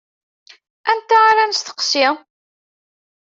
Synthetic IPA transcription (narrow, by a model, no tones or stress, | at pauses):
ænt̪ːaaɾanst̪ə̥qsɪ